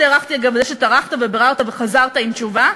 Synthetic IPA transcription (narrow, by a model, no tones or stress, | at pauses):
eːʁaχt̪iaɡavzeʃet̪aʁaχt̪avebeʁaʁt̪aveχazaʁt̪aimt͡ʃuva